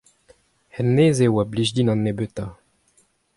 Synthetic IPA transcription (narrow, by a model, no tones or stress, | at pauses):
hɛnːeːzewabliʒd̪inɑ̃nːebøt̪a